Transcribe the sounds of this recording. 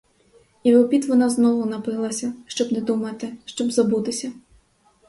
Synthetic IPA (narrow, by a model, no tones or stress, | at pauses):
iʋepʲit̪ʋɔnɑznɔʋʊnɐpɪlˠɐsʲɐʃt͡ʃɔbnɛd̪umɐt̪ɪʃt͡ʃɔbzɐbut̪ɪsʲɐ